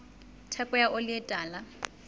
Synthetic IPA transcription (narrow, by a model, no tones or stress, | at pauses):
tʰɛkʼɛjaʔʊlɪɛtʼaːla